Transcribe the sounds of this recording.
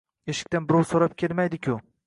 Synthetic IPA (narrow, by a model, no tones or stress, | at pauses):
e̞ʃɪ̥kʲt̪anbɪɾɒwsoɾap̚kʲʰelmajd̪ɪkʲʰʊ